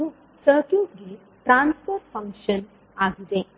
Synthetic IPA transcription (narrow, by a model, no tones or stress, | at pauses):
ũ | səkuɡe | ʈɾãnspoɾʈfə̃ŋkʃən | aɡidẽ